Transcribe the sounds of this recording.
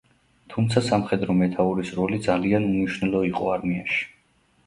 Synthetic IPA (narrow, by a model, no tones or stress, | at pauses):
t̪ʰumt̪sʰasamχɛd̪ɾɔmɛt̪ʰauɾisɾɔlid̪zalianuniʃwnɛlˠɔiqʼɔ̰aɾmia̰ʃi̥